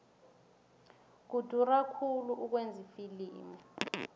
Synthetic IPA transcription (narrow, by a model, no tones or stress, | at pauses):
k̬ud̥ʱurakʰuluʔuk̬wend͡zʱifiliːmɔ